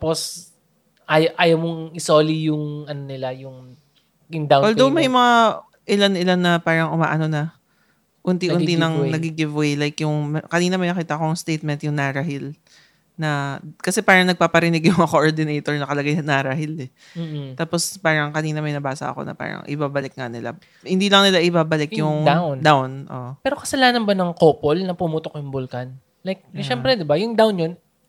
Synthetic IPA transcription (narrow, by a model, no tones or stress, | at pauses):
apos | ʔajʔaːjɐwmoŋɪsoːlijʊŋɐnonɪlajʊŋ | ɪnd̪awwɛldd̪owmɐjmɐŋa | ʔɪlanɪlanːɐpaːɾɐŋʔʊma̰ːʔɐno̞nɐ | ʔʊnt̪iʔʊninnɐŋnɐɡiɡɪvwejlajkjʊŋmɐkɐniːnɐmɐjnɐkiːt̪ɐʔkoɐŋst̪ejt̪̚mɛnt̪̚jʊŋnaɾɐɦɪl | nɐkɐsɛpaːɾɐŋnɐɡ̚paːpɐɾɪnɪɡjʊŋɐkoʔoɹd̪ɪnejt̪oɹnɐkɐlɐɡajnaɾɐɦɪlɛ | m̩ːt̪aːpo̞spaːɾɐŋkɐniːnɐmɐjnɐbaːsɐ̰ʔɐ̰ko̰nɐ̰pa̰ːɾɐ̰ŋʔɪ̰baːbɐlɪk̚ŋɐnɪla̰ | hɪnd̪iːlɐŋnɪlaʔɪbaːbɐlɪkjʊŋwnd̪awnʔo̰pɛːɾo̞kɐsɐlaːnɐnbɐnɐŋkopolnɐpʊmuːt̪okjʊŋbʊlkɐn | lajk̚ʃɛmpɾɛd̪ɪbajʊŋd̪awnjon